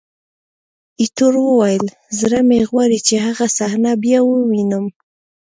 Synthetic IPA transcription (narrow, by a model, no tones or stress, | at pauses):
it̪uɾwəwajəl | zɾameɣwaɾit͡ʃehaɣasahnabjɑwəwinəm